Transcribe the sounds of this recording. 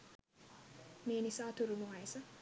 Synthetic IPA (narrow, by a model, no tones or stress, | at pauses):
meːnisaːt̪uɾunuʋaesɐ